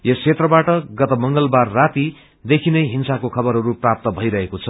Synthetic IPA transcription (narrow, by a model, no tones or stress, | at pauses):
jʌskʰet̪rʌbaʈʌɡʌt̪ʌmʌŋɡʌlbarːat̪i | d̪ekʰinʌjɦinsakokʰʌbʌɾɦʌɾuprap̚t̪ʌbʱʌjɾʌɦekot͡sʰʌ